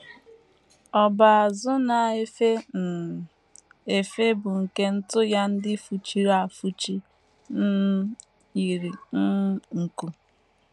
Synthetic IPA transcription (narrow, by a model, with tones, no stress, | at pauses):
ɔ˨ba˨a˨zʊ˦na˨e˦fe˦n̩˨ | e˨fe˦bʊ˨ŋ̩˨ke˦n̩˦tʊ˦ja˦n̩˦dɪ˦fu˨t͡ʃi˦ɾa˨fu˦t͡ʃi˦ | n̩˦ | i˨ɾi˨˦ŋ̩˨ku˨